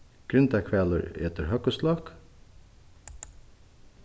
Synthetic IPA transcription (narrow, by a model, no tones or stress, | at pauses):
ɡ̥ɾʏnt̪ækʰʋɛːlə̰ɾḛːt̪əɾhœkəslɑk